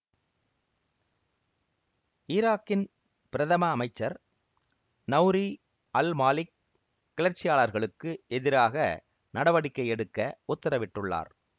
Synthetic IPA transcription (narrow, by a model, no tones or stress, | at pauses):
ɪɾaːkːɪn | pɪɾɐðɐmɐːmɐɪt͡ʃːɐɾ | nɐʊɾi | ɐlmaːlɪkː | ɪɭɐɾt͡ʃːɪjaːɭɐɾɣɐɭɯkːɯʔɛðɪɾaːɣɐ̰ | nɐɽɐʋɐɽɪkːɐɪɛɽɯkːɐʊt̪ːɐɾɐʋɪʈːɯɭːa̰ːɾ